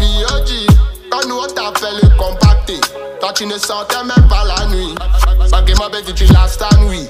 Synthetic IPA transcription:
ijod͡ʒikanũɔtafɛlekɔm̩pak̚te | tat͡ʃinesatɛmɛbalanĩɡ͡baɡemãbed͡ʒit͡ʃilastanwi

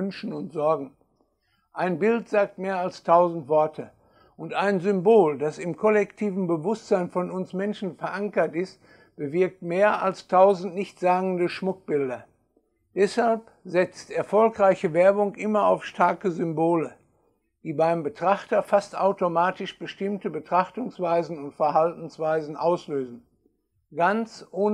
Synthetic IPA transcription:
nʃn̩ʊntz̥ɔɐɡŋ̩ | ʔaɪnbɪltz̥aːk̚tmeːɐalstʰaʊzn̩tv̥ɔɐtʰə | ʊntaɪnzʏmboːldasɪmkʰɔlɛktʰiːvn̩bəvʊstz̥aɪnfɔnʊnsmɛnʃn̩fɛɐʔaŋkɐtɪst | b̥əvɪɐk̚tmeːɐʔalstʰaʊzn̩tnɪçtz̥aːɡŋ̩dəʃmʊk̚b̥ɪldɐ | d̥ɛshalp | zɛt͡stɛɐfɔlkʁaɪçəvɛɐbʊŋʔɪmɐaʊfʃtʰaɐkəzʏmboːlə | d̥iːbaɪmbətʁ̥aχtɐfastʔaʊtomaːtɪʃb̥əʃtɪmtəbətʁ̥aχtʊŋsv̥aɪzn̩ʊntfɛɐɦaltn̩sv̥aɪzn̩ʔaʊsløːzn̩ | ɡ̥ant͡sʔoːn

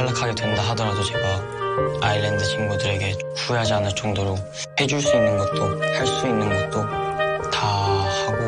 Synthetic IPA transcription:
aɭːakʰaɡe̞dwenidaɦadʌɾadot͡ɕe̞ɡa | ailendɯt͡ɕimɡudɯɾe̞ɡe̞ | kueɦad͡ʑianɯɭt͡ɕ͈ʌŋdoɾo | he̞d͡ʑuɭs͈uinːɯnɡʌt̚t͈ohaɭs͈uinːɯnɡʌt̚t͈otʰahaɡo

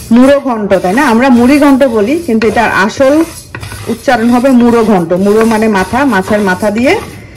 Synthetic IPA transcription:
muɾoɡʱɔɳʈot̪ajnaamɾamuɾiɡʱɔɳʈobolikint̪ueʈaɾa̰ʃol | ut̪ːt͡ɕaɾonɦɔbemuɾoɡʱɔɳʈomuɾomanemat̪ʰamatʰeɾmat̪ʰad̪ije

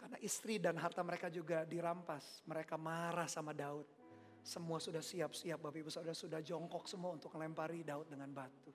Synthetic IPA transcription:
karnaʔist̪ɾidanɦart̪aməɾekad͡ʒuɡadiɾampasməɾekamaɾahsamadaʊt̪̚ | səmuasudahsiap̚siap̚bapibusaudasudahd͡ʒɔŋkɔk̚səmuaunt̪ʊk̚ŋəlɛmpaɾidaʊt̪̚dəŋanbat̪u

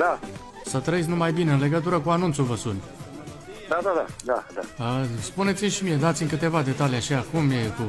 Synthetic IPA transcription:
d̪a | sət̪ɾəit̪sʲnumajbine̞ɨnle̞ɡət̪uɾəkuanunt̪suvəspunʲ | d̪ad̪ad̪ad̪ad̪aəspune̞t̪simʲʃimije̞d̪at̪sʲimʲkɨt̪e̞vad̪e̞t̪alijaʃiakumjeku

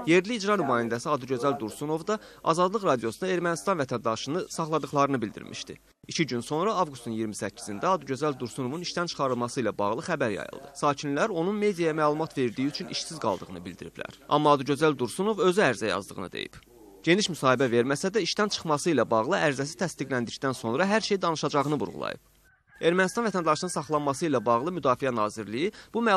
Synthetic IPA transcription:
je̞ɾliːd͡ʒɾɑnymɑːhind̪æsiɑd̪uɟø̞zæld̪uɾsuno̞vd̪ɑʔɑzɑd̪lˠɯɣɾɑd̪ijosunɑe̞ɾmænist̪ɑnvæt̪ʰænd̪ɑʃɯnɯsɑχlˠɑd̪ɯχlˠɑɾɯnɯbild̪ḭɾmʔḭʃt̪ḭ | icʰiɟynso̞nɾɑɑvɡust̪unjiɾmisæcʰːi̥zind̪æɑd̪uɟøzæld̪uɾsuno̞vuniʃt̪ænt͡ʃʰɯ̥χɑɾɯlˠmɑsɯilæbɑ̰ʁlˠɯxæbæɾjɑ̰jɯ̰lˠd̪ɯsɑːcʰinlæɾo̞nunme̞d̪ijɑjɑmæːlˠumɑt̪ve̞ɾiɾd̪ijiyt͡ʃʰyniʃsizɡɑ̰lˠd̪ɯʁɯnɯbilʲd̪iɾḭblæ̰ɾɑ̰mːɑːd̪uɟø̞zæld̪uɾsuno̞vø̞zyæɾzæjɑ̰zd̪ɯ̰ʁɯnɯ̰d̪e̞̰jḭb | ɟ̥e̞niʃmysɑːhibæve̞ɾmæsæd̪æiʃt̪ænt͡ʃʰɯ̥χmɑsɯilæbɑʁlˠɯæɾzæsi̥t̪ʰæst̪iɡlænd̪ict̪ænso̞nɾɑɦæɾʃe̞jd̪ɑnɯʃɑd͡ʒɑʁɯnɯvṵɾʁṵlˠɑ̰jɯ̰p̚ | e̞ɾmænist̪ɑnvæt̪ʰænd̪ɑʃɯnɯnsɑχlˠɑnmɑsɯilæbɑʁlˠɯmyd̪ɑːfijænɑːziɾlijib̥umæ

